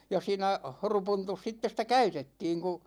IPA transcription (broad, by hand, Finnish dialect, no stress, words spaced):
jɑ siːnæ horupuntus sitːe sĭtæ kæytetːiːŋ ku